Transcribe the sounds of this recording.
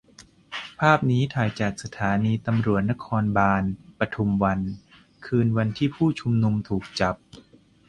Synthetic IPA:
pʰaː˥˩p̚niː˦˥t̪ʰaː˨˩˦jt͡ɕaː˨˩k̚sa˧t̪ʰaː˩˦niː˧t̪a˧mɾu˨˩ət̪̚na˦˥kʰɔː˧nbaː˧npɾa˧t̪ʰu˧mwa˧n | kʰɯː˧nwa˧nt̪ʰiː˥˩pʰuː˥˩t͡ɕʰu˧mnu˧mt̪ʰuː˨˩k̚t͡ɕa˨˩p̚

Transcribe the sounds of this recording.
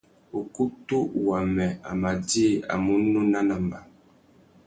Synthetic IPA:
o˨ku˦tu˦wa˨mɛ˨a̰˨ma˨di˦˨a̰˨mu˦no˦na˦na˨m˨ba˨

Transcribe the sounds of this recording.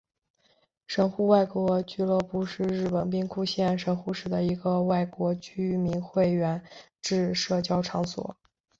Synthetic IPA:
ʂə˧˥nxu˥˧wa˥˧ɪkwɔ˧˥t͡ɕy˥˧lɤ˥˧pu˥˧ʂɻ̩˥˧ɻɻ̩˥˩pə˨˩np̬i˥ŋkʰu˥˧ɕjɛ˥˩nʂə˧˥nxu˥˩ʂɻ̩˨˩d̪ə˦i˧˥ɡə˧wa˥˩ɪkwɔ˧˥t͡ɕy˥mi˧˥nxwe˥˩ɪɥɛ˧˥n | ʈ͡ʂɻ̩˥˧ʂɤ˥˩t͡ɕjɑ˥ʊʈ͡ʂʰɑ˧˥ŋswɔ̰˨˩˦

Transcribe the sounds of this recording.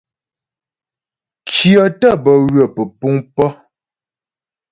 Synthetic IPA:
kʰjɔ˨tə˦˨bə˨ɣɥə˨pə˨pu˦ŋpɔ˦

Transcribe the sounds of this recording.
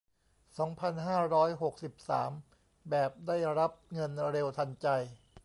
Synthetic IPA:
sɔː˩˦ŋpʰa˧nɦaː˥˩ɾɔː˦˥jɦo˨˩k̚si˨˩p̚sa̰ː˩˦m | bɛː˨˩p̚daː˥˩jɾa˦˥p̚ŋɤ˧nɾe˧wt̪ʰa˧nt͡ɕa˧j

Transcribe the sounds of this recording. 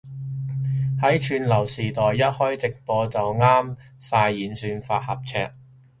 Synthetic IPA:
hɐ˨˥jt͡ʃʰyː˧nlɐ˨˩wsiː˨˩t̪ɔː˨jːɐ˥t̚hɔː˥jt͡sɪ˨k̚pɔː˧t͡sɐ˨wŋaː˥m | saː˧jːiː˨˥nsyː˧nfaː˧t̚hɐ˨p̚t͡sʰɛ̰ː˧k̚

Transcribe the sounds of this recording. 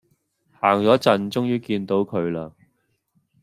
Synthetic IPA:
haː˨˩ŋt͡sɔː˨˥t͡sɐ˨nt͡sʊ˥ŋjiː˧kiː˧nt̪o˨˥wkʰɵ˨˧ɥlaː˧

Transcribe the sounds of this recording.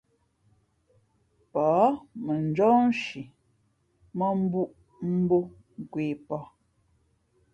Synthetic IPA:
pɔ˨˦mə˨n˦d͡ʒɔː˦n˦ʃi˨ | mə˦m̩˦bu˦ʔ | m̩˦bo˦ | ŋ̩˨kweː˨pɔ˦

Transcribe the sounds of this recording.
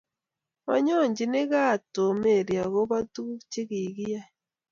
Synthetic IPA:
ma̰˨ɲo˦˨ɲɟi˨ne˦ɣa˦to˨me˨ɾja˨ɣo˦βa˦tu˦t͡ʃe˦ɣi˨ɣi˦ja˦

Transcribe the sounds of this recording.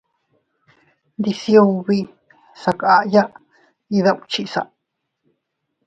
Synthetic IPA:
nd̪i˧sjo˧βi˧ | sa˧ka˧a˧ʔja˦ʔ | i˧ða˦˧ʔu˧t͡ʃi˦˧ʔsa̰˧ʔ

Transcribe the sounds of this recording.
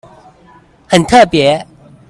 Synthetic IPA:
hə˨nt̪ʰə˥˨pjɛ˨˦

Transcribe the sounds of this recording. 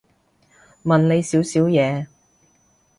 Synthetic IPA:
mɐ˨nle˨˧jsiː˨˥wsiː˨˥wjɛː˨˧

